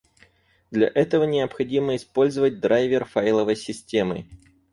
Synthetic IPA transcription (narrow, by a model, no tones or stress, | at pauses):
d̪lʲɐ̰ʔɛt̪əvənʲɪəpxɐdʲiməɪspo̞lʲzəvət̚ʲd̪ɾajvʲɪrfajlˠəvəjsʲɪsʲtʲe̞mɨ̰